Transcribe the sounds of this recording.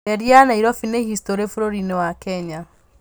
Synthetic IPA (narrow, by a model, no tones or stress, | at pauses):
ɛɾjanaiɾɔfinehistoɾefoɾoɾinewakɛɲa